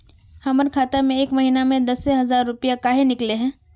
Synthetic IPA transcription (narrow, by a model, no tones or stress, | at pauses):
hɐməɾkʰaːt̪amẽeːkmɐɦiːnamẽd̪ɐsːeɦɐzaːɾːʊpijakaːɦenɪkleɦɛ̃ː